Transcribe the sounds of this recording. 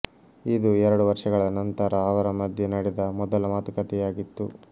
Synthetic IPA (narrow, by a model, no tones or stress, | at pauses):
id̪uɛɾɐɽuʋɐɾʂɐɡɐɭɐnɐnt̪ɐɾɐːʋɐɾɐmɐd̪ʱjɐnɐɽɛd̪ɐmɔd̪ɐlɐmaːt̪ukɐt̪ɛjaːɡit̪ːu